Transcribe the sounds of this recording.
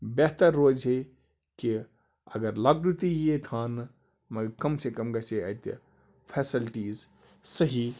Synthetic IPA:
beɦt̪ɐɾːoːd͡ʒɦe | ki | ɐ̰ɡɐɾlɐɡɾut̪ijet̪ʰaːn | mɐɡkɐmsekɐmɡɐseɐ̰t̪ | pʰesilʈiːz | sɐɦi

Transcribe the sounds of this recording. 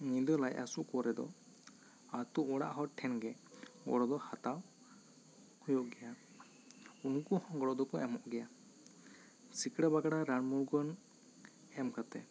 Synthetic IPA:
nid̪ɔlajasuʔkɔɾɛd̪ɔ̰ | at̪uʔɔɽa̰ʔɦɔ̃ʈʰɛnɡɛ | ɡɔ̰ɽɔd̪ɔhat̪aw | hujɔʔɡɛja | unkɔhɔ̃ɡɔɽɔd̪ɔkɔɛmɔʔɡɛja | sikɽabaɡaɽaɾanmuɾɡɔn | ɛmkat̪ɛ̰

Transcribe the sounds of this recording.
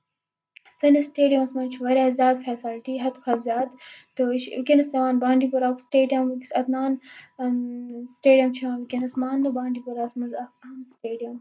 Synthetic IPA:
sɐnisʈeːɖijɐmɐsmɐnt͡ʃʰuʋɐɾʲjaːzʲjaːd̪fʰɛːsalʈiɦɐt̪kʰɐbzʲjaːd̪t̪ːoiʃʋikʲinɐsɐʋaːnbãːɳɖipuɾaːksʈeːɖijɐmkɐt̪naːn | sʈeːɖijɐmt͡ʃʰiʋaːnʋikʲinɐsmaːndɐbãːɳɖiːpuɾaːsmɐnzɐaːnsʈeːɖijɐm

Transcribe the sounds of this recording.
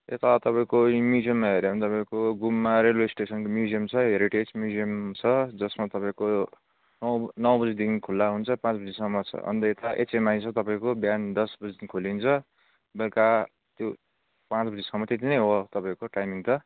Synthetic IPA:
et̪at̪ʌpaĩkomjud͡zijʌmːaɦeɾebʌnit̪ʌpãĩkoɡumːaɾelwesʈesʌnkomjud͡zijʌmt͡sʰʌɦeɾiʈed͡zmjud͡zijʌmt͡sʰʌd͡zʌsmat̪ʌpãĩko | nʌwnʌwbʌd͡zid̪inkʰulːaɦunt͡sʰʌpãt͡sbʌd͡zisʌmːʌt͡sʰʌ̰ʌ̰nt̪ʌet̪aʔḛt͡semaĩt͡sʰʌt̪ʌpãĩkobjand̪ʌsbʌd͡zid̪inkʰolint͡sʰʌ | belka | t̪jo | pãt͡sbʌd͡zisʌmːʌt̪et̪inʌjɦot̪ʌpãĩkoʈajmiŋt̪ʌ

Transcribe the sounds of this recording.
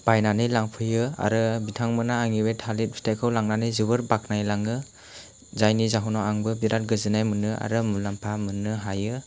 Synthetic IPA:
b̥ajnanɯjlaŋpʰɯjɯa̰ɾɯbitʰaŋmɯnaːŋiwetʰalit̚bʰi̥tʰajkʰɯwlaŋnanɯjzɯβɯɾbak̚najlaŋɯ | zajnizaɦɔnaaŋbɯbiɾat̚ɡɯzɯnajmɯnɯa̰ɾɯmulampʰamɯnɯɦajɯ

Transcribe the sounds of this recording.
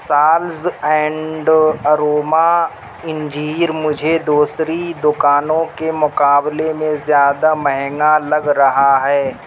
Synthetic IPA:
saːlzɛ̃ːɳɖɐɾoːma | ɪ̃ɲd͡ʒiːɾmʊd͡ʒʱed̪uːsɾid̪ʊkaːnõkemʊkaːblemẽzjaːd̪amɛɦɛŋɡalɐɡɾɐɦaɦɛː

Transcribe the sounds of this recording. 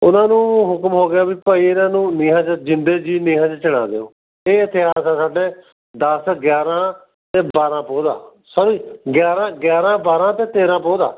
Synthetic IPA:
ʊnãːnũːɦʊkmɦoːɡɪjaːbiːpəːiːɪnãːnũːniːɦãːt͡ʃd͡ʒɪnd̪eːd͡ʒiːniːɦãːt͡ʃt͡ʃɪɽ̃ã̰ːd̪ḛːõ̰ː | eːɪt̪ʰːeːaːsãːsaːɖeː | d̪əsɡjaːɾãː | t̪eːbaːɾãːpoːd̪a̰ː | səɾiːɡjaːɾãːɡjaːɾãːbaːɾãːt̪eːt̪eːɾãːpoːd̪a̰ː

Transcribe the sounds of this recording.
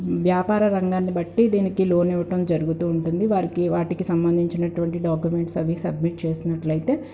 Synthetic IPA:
ʋjaːpaːɾɐɾɐŋɡaːnːibɐʈːid̪iːnikilo̞ːnɛʋɐʈɐmd͡ʒɐɾuɡut̪uːɳʈund̪iʋaːɾikiʋaːʈikisɐmbɐnd̪ʱiɲt͡ʃinɐʈuʋɐɳʈiɖaːkjume̞ɳʈsɐʋiːsɐbmiʈ̚t͡ʃe̞ːsinɐʈlɐjit̪e̞ː

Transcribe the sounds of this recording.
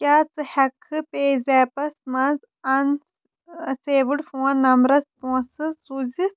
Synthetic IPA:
kʲaːt͡sɨhɐkʰɨpeːzʲɛːpɐsmɐnz | ɐn | seːʋɨɽfuɐnːɐmɾɐspũsɨsuzi

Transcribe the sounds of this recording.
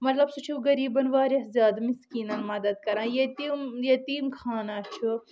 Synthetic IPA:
mɐt̪lɐbsut͡ʃʰuɡɐɾiːbɐnʋaːɾjɐszʲjaːd̪miskiːnɐnmɐd̪ɐd̪̚kɐɾãːjet̪imjet̪iːmkʰaːnat͡ʃʰu

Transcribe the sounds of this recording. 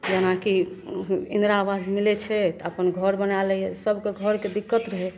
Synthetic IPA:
d͡ʒenaki | ind̪ɾaːʋad͡ʒmilɛt͡ʃʰɛt̪əpənɡʱəɾbənalɛjɛsəbʱkeɡʱəɾked̪ikːət̪ɾəɦɛ

